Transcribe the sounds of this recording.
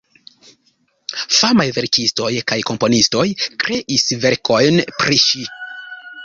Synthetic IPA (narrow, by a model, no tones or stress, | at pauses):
famajve̞ɾkisto̞jkajko̞mpo̞nisto̞jkɾe̞ʔisve̞ɾkʰo̞jnpɾiʃi